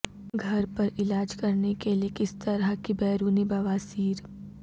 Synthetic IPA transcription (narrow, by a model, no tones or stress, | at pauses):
ɡʱɐɾpɐɾɪlaːd͡ʒkɐɾnekeliekɪst̪ɐɾakibɛːɾuːnibɐʋaːsiːɾ